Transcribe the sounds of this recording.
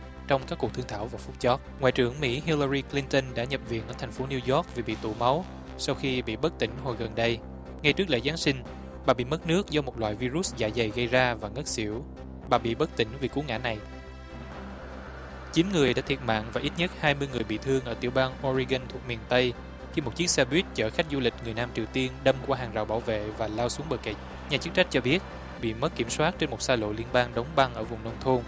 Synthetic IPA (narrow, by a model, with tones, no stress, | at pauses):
t͡ɕɔ˧wŋ͡mkaː˦˥kːu˨˩t̪ʰɨ˧ŋt̪ʰaː˧˩wvaː˨˩fʊ˨˦˥k͡p̚t͡ɕɔ˦˥t̚ŋa̰ː˧˨jt͡ɕɨ̰˧˩əŋmḭ˧˥ɦi˧lə˧zi˧kli˧nt̪ə˧nɗa̰ː˧˥ɲə˨˩p̚vḭ˨˩ən̚ʔəː˧˩t̪ʰa˨˩ŋ̟fo˨˦ni˧wzɔ˦˥k̚ve˨˩ɓḭ˧˨t̪ṵ˧˨ma˨˦w | sa˧wxi˧ɓḭ˧˨ɓə˦˥k̚t̪ï˧˩ŋ̟ɦo̰˨˩jɣə˨˩nɗə˧j | ŋa˧jt͡ɕɨ˦˥k̚lḛ˧˥˩zaː˨˦nsï˧ŋ̟ | ɓaː˨˩ɓḭ˧˨mə˦˥t̚nɨ˦˥ək̚zɔ˨˧mo˨˩t̚lwa̰ː˧˨jvi˧zu˦˥za̰ː˧˩jza˨˩jɣə˧jzaː˧vaː˨˩ŋə˦˥t̚sḭ˧˩˥əw | ɓaː˨˩ɓḭ˧˨ɓə˦˥t̚t̪ï˧˩ŋ̟vi˨˩ku˨˦ŋa̰ː˧˥na˨˩j | t͡ɕi˨˦nŋɨ˨˩əjɗa̰ː˧˥t̪ʰi˨˩ət̚ma̰ː˧˨ŋvaː˨˩ʔi˦˥t̚ɲə˦˥t̚haː˧jmɨ˧əjŋɨ˨˩əjɓḭ˧˨t̪ʰɨ˧əŋʔəː˧˩t̪i˧˩əwɓaː˧ŋʔɔ˧zi˧ɣə˧nt̪ʰu˨˩ək̚mi˨˩ənt̪ə˧j | xi˧mo˨˩t̚t͡ɕɨ˦˥ək̚sɛ˧ɓwi˦˥ət̚t͡ɕəː˧˩xa˦˥k̟̚zu˧lï˨˩k̟̚ŋɨ˨˩əjnaː˧mt͡ɕi˨˩wt̪i˧ənɗə˧mkwaː˧ɦaː˨˩ŋza̰˧˨˩wɓaː˧˩wvḛ˧˨vaː˨˩laː˧wsu˨˦əŋɓəː˨˩ke˧˨˩t̚ | ɲaː˨˩t͡ɕɨ˦˥k̚t͡ɕa˦˥k̟̚t͡ɕɔ˧ɓi˦˥ət̚ | ɓḭ˧˨mə˦˥t̚kːi˧˩əmswaː˦˥t̚t͡ɕe˧nmo˨˩t̚saː˧lo̰˧˨li˧ənɓaː˧ŋɗə˨˦wŋ͡mɓa˧ŋʔəː˧˩vʊ˨˩ŋ͡mnə˧wŋ͡mt̪ʰo˧n